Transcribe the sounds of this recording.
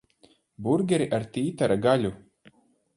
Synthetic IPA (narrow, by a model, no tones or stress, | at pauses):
buɾɡʲɛɾiʔaɾt̪ʲiːt̪aɾaɡalʲu